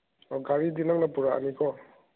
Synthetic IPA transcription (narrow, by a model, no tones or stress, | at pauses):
ɔɡaɾidinaŋnapuɾaa̰nikʰɔ